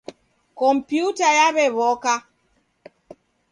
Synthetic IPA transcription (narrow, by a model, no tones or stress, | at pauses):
kɔmpjutajaβɛβɔka